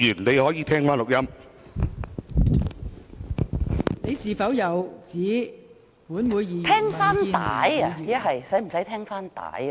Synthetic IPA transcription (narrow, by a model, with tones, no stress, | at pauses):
yː˨˩nne˨˧jhɔː˨˥jiː˨˧t̪ʰɛː˥ŋfaː˥nlʊ˨k̚jɐ˥m | ne˨˧jsiː˨fɐ˨˥wjɐ˨wt͡siː˨˥ | puː˨˥nwuː˨˧jːiː˨t̪ʰɛː˥ŋfaː˥n˧t̪a̰ː˨˥jɐjɐ˥ɦɐ˨jsɐ˨˥jm̩˨˩sɐ˨˥jt̪ʰɛː˥ŋfaː˥nt̪a̰ː˨˥j